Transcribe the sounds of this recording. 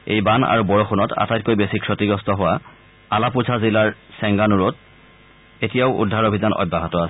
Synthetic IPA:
ḛjbana̰ɹubɔɹɔxʰunɔta̰tajt̚kojbesikʰɹotiɡɹɔstɔɦʊwa | alapuzʱazilaɹsɛŋɡanuɹɔt̚ | etijaʊʔṵdʱːaɹobʱizanɔ̰bːaɦɔtɔasɛ

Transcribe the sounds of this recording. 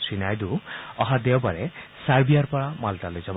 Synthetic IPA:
sinajd̪uɔɦad̪eɔbaɾesaɾbiaɾpɔɽamalʈalojd͡ʒab

